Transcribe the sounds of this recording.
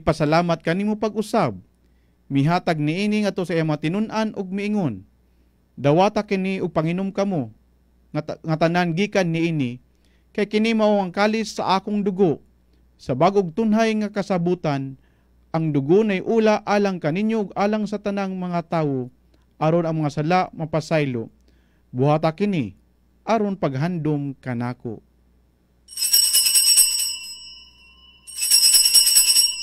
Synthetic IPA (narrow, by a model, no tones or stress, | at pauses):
pɐsɐlaːmat̪̚kɐnimopɐɡ̚ʊsab̚ | mɪɦaːt̪aɡ̚nɪʔiːniŋɐt̪osɐʔijaŋmɐŋat̪ɪnʊnʔanʔʊɡ̚mɪɪŋon | d̪ɐwaːt̪akɪniʊɡ̚paŋɪnomkɐmo | ŋat̪ɐnanɡiːkanːɪʔiːnɪ | kajkɪnimaʔoaŋkaːlɪsːɐ̰ʔaːkʊŋd̪ʊɡo | sɐbaːɡʊɡ̚t̪ʊnɦajŋakɐsabuːt̪an | ʔɐŋd̪ʊɡonajʔuːlaʔaːlaŋkɐnɪɲjoɡaːlaŋs̬ɐt̪ɐnaŋmɐŋat̪aːwo | ʔɐɾonɐŋmɐŋasɐlaʔmɐpasajlo̰ | bʊhaːt̪akɪni | ʔaɾonpaɡɦand̪ʊmkɐnaːko̰